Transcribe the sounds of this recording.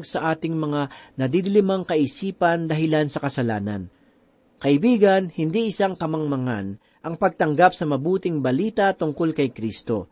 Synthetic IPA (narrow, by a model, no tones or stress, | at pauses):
ɡsɐʔaːt̪ɪŋmɐŋanɐd̪id̪ɪlɪmɐŋkɐʔɪsiːpɐnd̪ɐɦɪlansɐkɐsɐlaːnɐ̰n | kɐʔɪbiːɡɐnhɪnd̪iʔɪsaŋkɐmɐŋmɐŋa̰n | ʔɐŋpɐɡ̚t̪ɐŋɡapsɐmɐbuːt̪ɪŋbɐliːt̪ɐt̪ʊŋko̞lkɐjkɾist̪o̞̰